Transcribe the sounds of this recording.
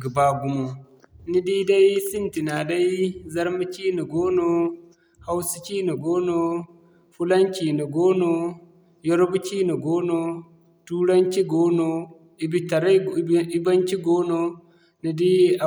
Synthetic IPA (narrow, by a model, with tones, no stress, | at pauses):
ɡi˨ba˦ɡu˦mo˨ | ni˦di˦da˦jsi˦nti˨na˨da˦i˦zɐ˦ɾmi˦t͡ʃi˦ni˨ɡoː˦no˦ | ha˦wsi̥˦t͡ʃi˦ni˨ɡoː˦no˨ | fu˦la˦nt͡ʃi˨ni˨ɡo˦no˨ | jɔ˦ɾbu˦t͡ʃi˦ni˨ɡoː˦no˨ | tuː˦ɽa˦nt͡ʃi˦ɡo˦no˨ | i˨bi˨˦ta˨ɾa˦i˦ba˦nt͡ʃi˦ɡo˦no˦ | ni˨di˦a˨